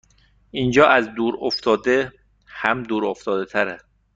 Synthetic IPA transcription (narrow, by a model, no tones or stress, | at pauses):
ʔiːnd͡ʒɒːʔæzd̪uːɾoft̪ʰɒːd̪e | hæmd̪uːɾoft̪ɒːd̪et̪ʰæɾæ